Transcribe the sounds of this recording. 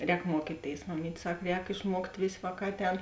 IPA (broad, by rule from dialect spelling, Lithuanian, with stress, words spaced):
ˈrʲɛːk ˈmuɔkʲiːˌtʲeːɪs mɐˈmʲiːtʲ ˈsɐk ˈrʲɛːk ɪʃˈmuɔktʲ ˈʋʲeːsʲ ˈʋɑːˌkɑː ˈɑːtʲˌɛːn